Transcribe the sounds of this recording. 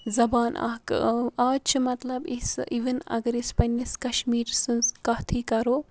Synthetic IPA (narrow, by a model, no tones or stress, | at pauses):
zɐbaːnʔa̰ːkaːt͡ʃʰɨmɐt̪lɐbisiʋənɐ̰ɡɐɾispɐniskɐʃmiːɾsɨnskɐt̪ʰiːkɐɾoː